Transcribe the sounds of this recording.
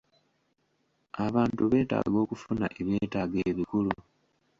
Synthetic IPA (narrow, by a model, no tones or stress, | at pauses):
aβaːntuβe̞ːta̰ːɡo̞ːkufuna̰ʔeβje̞ːtaːɡeːβikulu